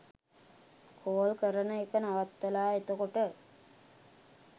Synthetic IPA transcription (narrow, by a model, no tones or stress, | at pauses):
kʰoːlkəɾənəekənaʋat̪ːəlaːet̪okoʈə